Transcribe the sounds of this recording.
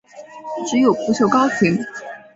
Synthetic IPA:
ʈ͡ʂɻ̩˧˥jo˨˩ʊpu˧˥ɕʰjo˥˧ʊkɑ˥ʊɕi˧˥ŋ

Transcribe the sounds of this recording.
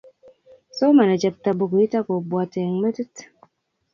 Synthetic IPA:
so˦ma˨ne˨t͡ʃɛ˨p̚ta˨bo˨ko˨i˦ta˦ko˨bwa˨te˨ŋ˦me˦tə˦t

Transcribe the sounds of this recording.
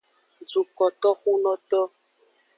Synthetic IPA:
d͡zu˨kɔ˨t̪ɔ˦xu˦nɔ̃˦t̪ɔ˦

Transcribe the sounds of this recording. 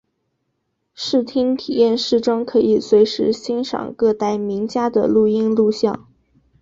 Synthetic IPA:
ʂɻ̩˥˩t̪ʰi˥ŋt̪ʰi˨˩jɛ˥˧nʂɻ̩˥˩ʈ͡ʂɤ˥ŋkʰɤ˧˥i˨˩swe˧˥ɪʂɻ̩˧˥ɕi˥nʂɑ̰˨˩ŋkɤ˥˧t̪a˥˩ɪmi˧˥ŋt͡ɕja˥d̪ə̰˨lu˥˩i˥nlu˥˧ɕjɑ̰˥˩ŋ

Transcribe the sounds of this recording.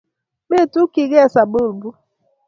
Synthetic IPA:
be˦˨tu˦ki˨ɣe˦˨sa˨bo˦˨lbu˦

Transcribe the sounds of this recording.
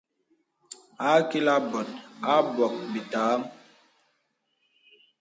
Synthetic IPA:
a˦ki˦la˦bɔ˨t̚a˦bɔ˨k̚bi˨taː˨˦m

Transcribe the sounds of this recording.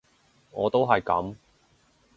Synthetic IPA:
ŋɔː˨˧t̪o˥wɦɐ˨jkɐ̰˨˥m

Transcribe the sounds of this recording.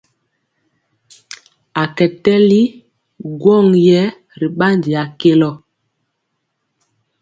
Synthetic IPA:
a˨kɛ˨tɛ˦li˦ | ɡwɔ˦˨ŋjɛ˦ | ɾi˨ɓa˦ndi˨a˨ke˦lɔ˦˨

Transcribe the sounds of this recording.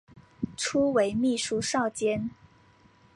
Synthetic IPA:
ʈ͡ʂʰu˥we˧˥ɪmi˥˩ʂu˥ʂɑ˥˩ʊt͡ɕjɛ˥n

